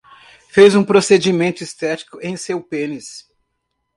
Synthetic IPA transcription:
fezũpɾosed͡ʒimẽnt̪ʊist̪ɛt͡ʃi̥kʊẽj̃sewpẽnɪs

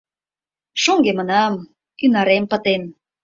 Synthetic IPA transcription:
ʃoŋɡemənam | ynaɾempə̆t̪en

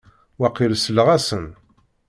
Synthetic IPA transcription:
wæqilsələʁæsən

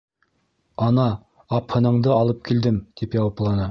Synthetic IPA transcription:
ɑnɑ | ɑphɤ̆nɤ̆ɴd̪ɤɑlˠɤp̚kild̪ɘmt̪ipjɑwɑplˠɑnɤ

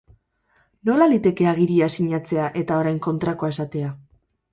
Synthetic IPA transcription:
no̞lalit̪e̞ke̞aɣiɾiasiɲat͡se̞aʔe̞t̪ao̞ɾajŋko̞nt̪ɾako̞ae̞sat̪e̞a

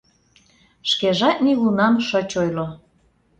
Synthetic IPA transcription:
ʃkeʒɑt̪̚niɣunɑmʃɤ̆t͡ɕojlo

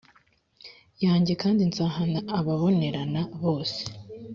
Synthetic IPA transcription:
jaːɲɟe̞kaːndinsaːɦanaːβaβo̞ne̞ɾanaβo̞ːse̥

